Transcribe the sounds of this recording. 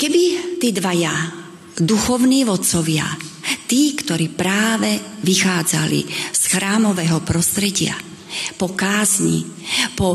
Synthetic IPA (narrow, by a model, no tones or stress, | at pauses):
kɛbit̪iːd̪ʋaja | d̪uxɔʊniːʋɔt̪t͡sɔʋɪa̰t̪iːkt̪ɔɾiːpɾaːʋɛʋixaːd͡za̰lḭsxɾaːmɔʋɛːɦɔpɾɔst̪ɾɛɟɪa̰ | pɔkaːzɲḭpɔ